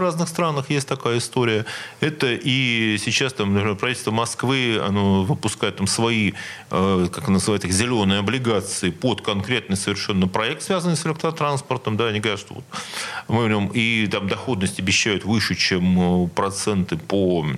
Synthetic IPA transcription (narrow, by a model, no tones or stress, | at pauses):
vraznɨxst̪ɾanəxjesʲtʲt̪ɐkajəɪst̪o̞ɾʲɪjəɛt̪əʔisʲɪt͡ɕast̪amnəpʲɾʲɪmʲerpɾrɐvit̪ʲlʲst̪vəmɐskvɨɐ̰novɨpʊskajɪt̪t̪ːamsvɐi | əkakɐnanəzɨvajɪt̪ɨxzʲɪlʲo̞nːɨjəɐblʲɪɡat̪sɨɪpot̪kɐnkɾʲe̞t̪nɨjsəvʲɪrʂɛnːɨjpɾɐɛk̚t̪svʲazənɨjsɪlʲɛkt̪ɾət̪ɾanspərt̪əmd̪anʲɪɡəɾʲæt̪ʂt̪ovo̰t̪mɨvʲɾʲomit̪amd̪ɐxo̞d̪nəsʲtʲɐbʲɪɕːæjʊt̪vɨʂɨt͡ɕeməpɾɐt̪sɛnt̪ɨpo